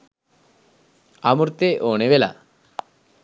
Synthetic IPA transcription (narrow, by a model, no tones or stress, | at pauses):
amuɾt̪eʔoːɳeʋela̰